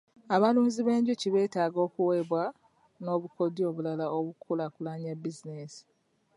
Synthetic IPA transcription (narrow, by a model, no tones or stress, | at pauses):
aβalumuziβe̞ːɲɟociβe̞ːtaːɡo̞ːkuwe̞ːβwa | no̞ːβuko̞dio̞ːβulalaoβukʰulakulaɲabizinesi̥